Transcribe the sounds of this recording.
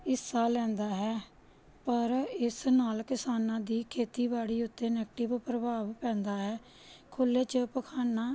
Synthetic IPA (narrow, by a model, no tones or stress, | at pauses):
ɪsaːlɛ̃ːnd̪aːɦɛː | pəɾɪsnaːlkɪsaːnãːd̪iːkʰeːt̪iːbaːɽiːʊt̪ːeːnɛːkʈɪʋpɾəbaːʋpɛ̃ːnd̪aːɦɛː | kʰʊlːeːt͡ʃəpəkʰaːnaː